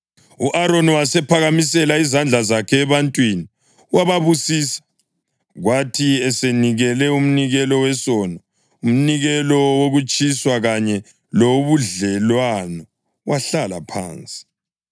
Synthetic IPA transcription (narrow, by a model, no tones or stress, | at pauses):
uʔaɾoniwasɛpʰaɣamis̬ɛlaizand͡ɮʱazakʰɛːβantʼwini | waβaβusiːsḁ | ɣwatʰiɛseniɣɛlɛum̩niɣɛlɔwɛsɔnɔ | um̩niɣɛlɔwoɣut͡ʃʼiswaɣaɲɛ | loβuɮɛlwanɔ | waɬala̰pʰa̰ːnt͡sʼi̥